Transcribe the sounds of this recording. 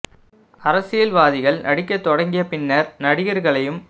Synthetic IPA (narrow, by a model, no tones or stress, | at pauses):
ɐɾɐsɪjɐlʋaːðɪɣɐɭnʔɐɽɪkːɐt̪ːɔɽɐŋɡɪjɐpɪnːɐɾnɐɽɪjɐɾɣɐɭɐjɯm